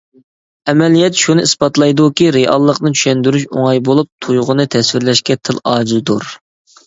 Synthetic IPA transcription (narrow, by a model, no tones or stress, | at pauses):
ɛmɛlijɛt̪ʃunɨisbɑt̪lˠɑjd̪ukʲiɾeɑ̰lˠːəqnɨt͡ʃʰy̥ʃɛnd̪yɾyʃo̰ŋɑjbolˠup̚t̪ʰujʁʊnɨt̪ʰɛswɪɾlɛʃkʲɛt̪ʰɨlˠɑːd͡ʒizd̪uɾ